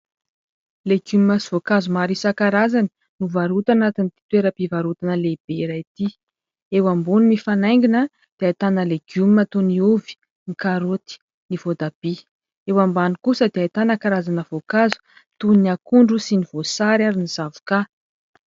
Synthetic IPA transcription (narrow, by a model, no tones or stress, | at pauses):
leɡummasivokazumaɾisakaɾazani̥ | nuvaɾut̪anat̪init̪i̥t̪weɾəpivaɾut̪anəleb̥eɾait̪i | ewambunimifanajŋɡinə | d̪̥eajt̪anəleɡ̥ummət̪uniuvi̥ | nikaɾot̪i̥ | niv̥od̪ab̥i | ewambanikusəd̪eajt̪anəkaɾazanəv̥okazu̥ | t̪uniakuɳɖ͡ʐusiniv̥osaɾaɾiniz̥avu̥ka